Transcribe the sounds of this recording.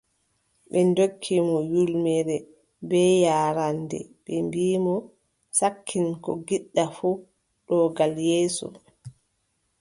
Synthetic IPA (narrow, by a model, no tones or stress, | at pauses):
ɓɛndokʰːimɔjulmɛɾɛ | bɛːjaːɾandɛ̰ɓɛmbiːmɔ | sakʰːinkɔ̰ɡiɗːafu | ɗɔɡaljɛːsɔ̰